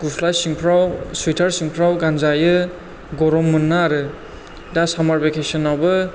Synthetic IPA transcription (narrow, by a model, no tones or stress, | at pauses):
ɡupʰlasiŋpʰɾawswitʰaɾsiŋpʰɾawɡanzajɯ | ɡɔɾɔmːɯnːaːɾɯ | dasamaɾbekʰesɔnawbɯ